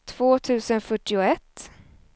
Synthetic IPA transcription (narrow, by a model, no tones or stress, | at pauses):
t̪ʰv̥oːt̪ʰʉ̟ːsənfœʈːɪʊɛt̪ː